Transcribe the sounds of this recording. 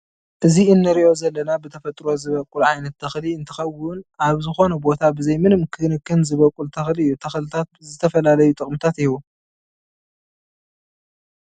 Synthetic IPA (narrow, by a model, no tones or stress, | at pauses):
ʔɨziɨnːɨɾiʔo̞zɐlːɐnabɨt̪ʰɐfɐt̪ʼɾo̞zɨβɐkʼulʕajnɐt̪ːʰɐxliɨnt̪ʰɐ̥xɐwʊnaβzɨxo̞nɐbo̞t̪ʰabɨzɐjmɨnmkʰɨnɨkːɨnzɨβɐkʼult̪ʰɐxliɨjːut̪ʰɐxlɨt̪ʰat̪̚zɨt̪ʰɐfɐlalɐjut̪ʼɨχʼmɨt̪ʰat̪iwu